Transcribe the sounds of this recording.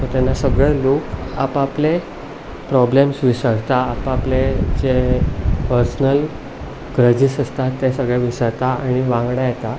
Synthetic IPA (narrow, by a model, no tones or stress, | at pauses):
ot̪janːasəɡɭeloka̰paple | pɾɔblemsʋisəɽt̪aːpapled͡ʑepəɾsnəl | ɡɾəd͡ʑisəst̪at̪ːesəɡɭeʋisəɾt̪aaɽ̃iʋãŋɡɽajet̪a